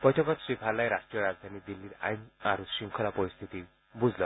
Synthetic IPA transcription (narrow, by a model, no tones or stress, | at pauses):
pɔjt̪ʰʌkɔt̪sibʰʱalajɾasʈɾijʌɾad͡zd̪ʱanid̪ilːiɾa̰jmaɾusiŋkʰɔlapɔɾist̪ʰit̪i | bud͡zʱlʌ